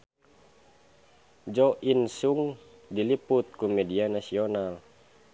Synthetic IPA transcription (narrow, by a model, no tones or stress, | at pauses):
d͡ʒɔʔinsuŋ | diliput̪̚kumɛdianasiɔnal